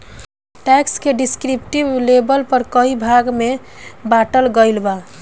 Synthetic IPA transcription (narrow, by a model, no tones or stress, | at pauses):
ʈɛkskeɖiskɾipʈiblebəlpəɾkəɦibʱaɡmebaʈəlɡəɪlba